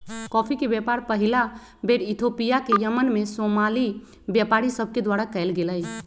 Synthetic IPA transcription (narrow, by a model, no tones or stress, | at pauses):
kɔpʰikebjɛpaɾpəɦila | beɾit̪ʰopijakejəmənmesomali | bjɛpaɾisəb̚ʱked̪waɾakɛjlɡeləj